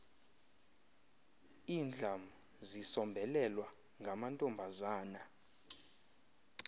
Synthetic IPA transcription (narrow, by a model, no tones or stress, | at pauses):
iːnd͡ɮʱam | zisɔmbʱɛlɛlwa | ŋɡʱamantʼɔmbʱazaːna